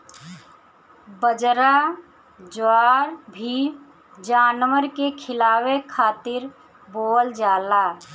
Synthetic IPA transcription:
bəd͡ʒɾa | d͡ʒwaːɾbʱi | d͡ʒaːnwəɾkekʰɪlaːwekʰaːt̪ɪɾ | boːld͡ʒaːlaː

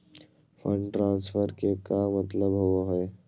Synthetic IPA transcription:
fʰəɳʈɾãːnsfʰəɾkekamət̪ləbɦowaɦoe

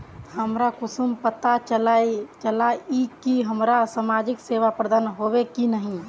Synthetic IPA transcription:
həmɾakusumpət̪at͡ʃəlat͡ʃəlaikiɦəmɾasamad͡ʒikseʋapɾəd̪aːnɦobekinəɦĩ

